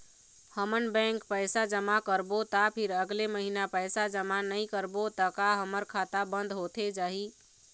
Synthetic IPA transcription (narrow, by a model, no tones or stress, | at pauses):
həmənbɛ̃ŋkpəjsad͡ʒəmakəɾbot̪apʰiɾəɡleməɦinapəjsad͡ʒəmanəjkəɾbot̪əkaɦəməɾkʰat̪abənd̪ɦot̪ʰed͡ʒaɦi